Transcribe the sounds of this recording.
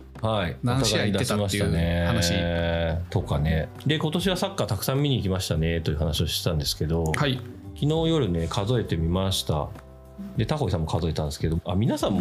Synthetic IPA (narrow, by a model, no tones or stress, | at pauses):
haiot̪aɡaiid̪aɕimaɕit̪ane̞ | t̪o̞kane̞ | d̪e̞ko̞t̪o̞ɕiβasakːat̪akɯ̟̥sãmːʲiɲ̟iːkʲimaɕi̥t̪ane̞t̪o̞jiɯ̟ɦanaɕio̞ɕi̥t̪t̪ãnd̪e̞sɨ̥ke̞d̪o̞hai | kʲino̞ːjo̞ɾɯ̟ne̞kʰazo̞e̞t̪e̞mʲimaɕi̥t̪a̰ | d̪e̞t̪aho̞isãmːokazo̞e̞t̪ãnd̪eske̞d̪oa̰mʲinasãmːo